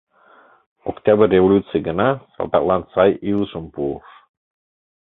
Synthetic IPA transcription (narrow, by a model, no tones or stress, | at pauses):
o̰kt̪ʲɑbərʲːevolʲut̪t͡sɨjɡə̆nɑsɑ̰lˠd̪ɑ̰t̪lˠɑnsɑjiluʃə̆mpuuʃ